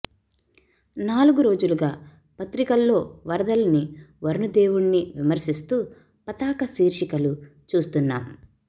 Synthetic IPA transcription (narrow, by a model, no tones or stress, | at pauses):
naːluɡuɾo̞ːd͡ʒuluɡaː | pɐt̪ɾikɐlːo̞ːʋɐɾɐd̪ɐlɐniʋɐɾnud̪e̞ːwuɽniʋimɐɾsis̬t̪uː | pɐt̪aːkɐsiːɾʃikɐlu | t͡ʃuːst̪unːaːm